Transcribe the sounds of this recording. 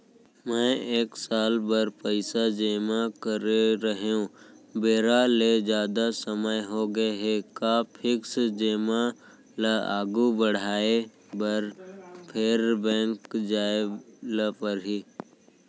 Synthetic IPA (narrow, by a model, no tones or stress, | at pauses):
mɛ̃eːksaːlbəɾpəɪsad͡ʒeːmakəɾeɾəɦeũbeːɾaled͡ʒjaːd̪asəməjɦoɡəeɦekaːpʰɪksd͡ʒeːma | ləa̰ːɡubəɽ̤aːe | bɐɾpʰeːɾbɛ̃ːŋkd͡ʒaːeləpəɾɦi